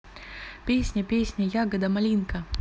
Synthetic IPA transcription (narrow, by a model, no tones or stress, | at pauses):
pʲesʲnʲɐpʲesʲnʲɐjaɡəd̪ɐmɐlʲinkɐ